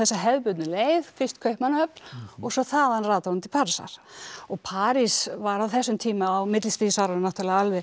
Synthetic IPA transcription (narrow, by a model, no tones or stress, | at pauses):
θɛsːaɦɛðpʏt̪nɪleːjðfɪ̥st̪kʰœɥhpmanhœpnɔɣsɔθaðanraːt̪ahunt̪ʰɪl̥pʰaːɾisa̰ɾ̥ɔɣpʰaːɾisvaɾawθɛsːʏmt̪ʰiːmaːwmɪt̪lɪst̪viːsawɾannawt̪ʰalaalvɪ